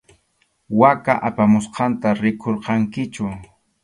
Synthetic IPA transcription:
wakaʔapamʊsqɑnt̪aɾɪkʰoɾqɑŋkɪt͡ʃʊ

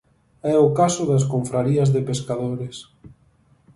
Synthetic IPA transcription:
ɛʊkasʊðɐskoɱfɾaɾiɐzðepeskaðoɾes

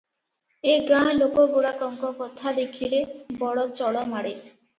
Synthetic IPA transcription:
eɡãlokoɡoɽakɔŋkokɔt̪ʰad̪ekʰilebɔɽɔt͡ɕɔɽomaɽe

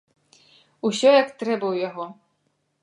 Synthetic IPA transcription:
usʲɔjakt̪ɾɛbɐwjaɣɔ

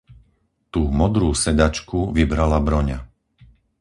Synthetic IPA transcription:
t̪uːmɔd̪ɾuːsɛd̪at͡ʃkuʋibɾalabɾɔɲa

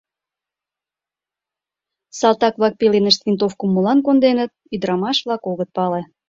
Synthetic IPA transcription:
sɑlt̪ɑk̚βlɑk̚pelenəʃt̪vint̪ofkumːolɑnkond̪enət̪̚yd̪əɾɑmɑʃβlɑkoɣət̪̚pɑle

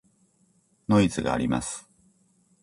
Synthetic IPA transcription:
no̞it͡sɨɡa̰ːɾʲima̰sɨ̥

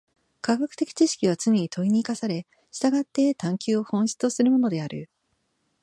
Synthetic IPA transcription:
kaɡakɯ̟̥t̪e̞kʲi̥t͡ɕiɕi̥kʲiβat͡sɨɲʲeɲ̟it̪o̞iɲ̟iːkasaɾe̞ | ɕi̥t̪aɡat̪ːe̞t̪ãŋkʲɨːo̞hõ̞ɕi̥t͡sosɨɾɯ̟mo̞no̞d̪e̞aɾɯ̟

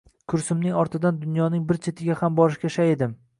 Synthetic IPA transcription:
kʰʊɾsʊmnɪŋɒɾt̪ʰɪd̪and̪ʊnjɒnɪŋbɪɾt͡ʃʰe̞t̪ʰɪɡʲahambɒɾɪʃkʲaʃaed̪ɪm

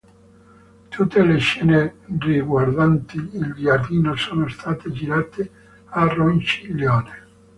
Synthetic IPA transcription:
t̪ʰut̪ːeleʃːɛːneriɡward̪ant̪iːlɡjard̪iːnosoːnost̪ʰaːt̪ed͡ʒiɾaːt̪e | arːont͡ʃiljɔːne

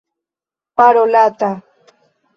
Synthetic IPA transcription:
paɾolat̪a

